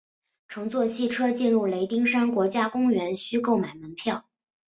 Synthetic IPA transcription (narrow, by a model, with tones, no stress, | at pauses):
ʈ͡ʂʰɤ˧˥ŋt͡swɔ˥˧ɕʰi˥˩ʈ͡ʂʰɤ˥t͡ɕi˥˧nɻu˥˩le˧˥ɪt̪i˥ŋʂa˥nkwɔ˧˥t͡ɕja˥kʊ˥ŋɥɛ˧˥nɕy˥ko˥˩ʊma˨˩ɪmə˧˥npʰjɑ˥˩ʊ